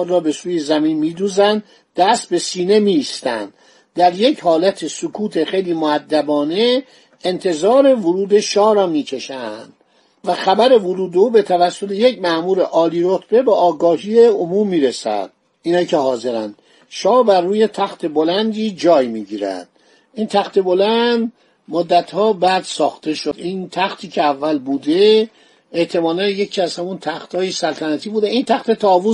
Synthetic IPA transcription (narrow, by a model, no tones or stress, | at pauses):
d̪rɒːbe̞suːje̞zæmiːnmiːd̪uːzænd̪ | d̪̥æst̪̚be̞siːne̞miːst̪æ̰nd̪̥ | d̪æɾje̞chɒːlæt̪ʰesokʰuːt̪ʰe̞xejliːmoæd̪ːæbɒːne̞ | ent̪ʰe̞zɒːɾe̞voɾuːd̪e̞ʃɒːɾɒːmiːcʰe̞ʃænd̪̥ | væxæbæɾe̞voɾuːd̪euːbe̞t̪ʰævæsːo̞t̪ʰejecmæʔmuːɾeʔɒːliːɾot̪ʰb̥e̞beʔɒːɡɒːɦiːeomuːmːiːɾesæ̰d̪̥̚ | inɒicʰe̞hɒːze̞ɾæ̰nd̪̥ | ʃɒːbærːuːje̞t̪ʰæxt̪ʰe̞bolænd̪iːd͡ʒɒːjmiːɟiːɾæ̰d̪̥ | int̪ʰæxt̪e̞bolænd̪ | mod̪ːæt̪hɒːbæːd̪sɒːxt̪ʰe̞ʃod̪ʔiːnt̪ʰæxt̪ʰiːcʰeævːælbuːd̪e | eʔt̪ʰe̞mɒːnænjecʰiːæz̥hæmunt̪ʰæxt̪hɒːjesælt̪ʰænæt̪ʰiːbuːd̪eint̪ʰæxt̪et̪ʰɒːvu